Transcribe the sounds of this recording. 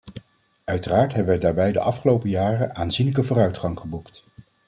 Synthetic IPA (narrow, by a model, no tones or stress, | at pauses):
œɥtəraːɹtɦɛbəʋɛjdaːɹbɛjdə̰ʔɑfχəlowpəjaːrənʔaːnzinlək̬əvʊːrœɥtχɑŋχəbukt